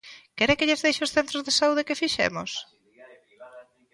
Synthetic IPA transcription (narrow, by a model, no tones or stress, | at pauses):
kɛɾekeʎezðejʃeosθent̪ɾozðesauð̞ekɪfiʃḛmo̰s